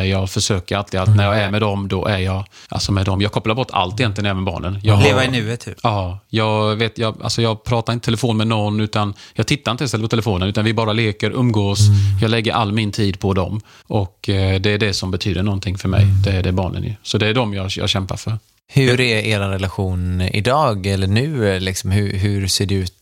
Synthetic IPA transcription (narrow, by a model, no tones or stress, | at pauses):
jɑːɡfœʂøːkəɾalt̪ɾɪɡalt̪næɾjɑːɡæɾmɛd̪ɔmd̪ɔʔæɾjɑːɡ | ʔa̰lsɔmɛd̪ɔmjɑːɡkʰɔpːlaɾbɔʈ̪ːa̰lt̪ːɪjɛnlɪənɛvənbɑ̰ːɳənjɑɡleːvaɪnʉːet̪hʉɑːjɑːɡveːt̪jɑːɡa̰lsɔjɑːɡpʰɾɑːt̪aɾɪnt̪ət̪ʰɛləfoːnmɛnɔnːʉ̟ːt̪anjɑːɡt̪ʰɪt̪ːaɾɪnt̪əɪsɛlːətpʰɔt̪ʰɛləfoːnənʉ̟t̪anvɪbɑːɾaleːkəɾʔɵmːɡoːsjɑːɡlɛɡːəɾʔa̰lːmɪnt̪ʰiːd̪pʰɔd̪ɔ̰m | ʔɔkːd̪ɛæɖɛsɔmbɛt̪ʰyːd̪əɳɔnt̪ʰɪŋfœɾmɛ̰jd̪ɛːɖɛbɑ̰ːɳə̰njɵ̰sɔd̪ɛːɖɔmjɑːjɑ̰ːɡɕɛmpa̰ɾfœɾ | hɵɾæɾeːɾanɾɛlaɧuːnɪ̰d̪ɑːɡɛlːəɳʉ̟ːlɪksɔmhʉɦɵɾseːɖɛʉ̟ːt̪